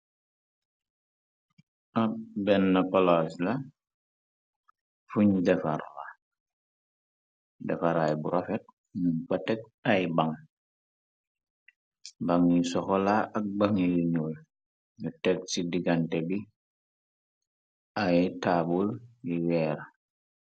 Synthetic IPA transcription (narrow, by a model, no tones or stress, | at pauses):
ʔabɛnːapalasla | fuɲdɛfa̰ɾla̰ | dɛfaɾajbuɾofɛt̚ | mupatɛk̚ | ajbaŋ | baŋjisɔxɔlaɐk̚baŋiliɲul | ɲutɛk̚sidiɡantɛbi | ajtabuljiwɛːɾa